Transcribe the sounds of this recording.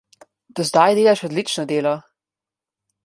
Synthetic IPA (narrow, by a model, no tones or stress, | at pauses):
d̪̥ɔzd̪ajd̪eːlaʃɔd̪lit͡ʃnɔd̪eːlɔ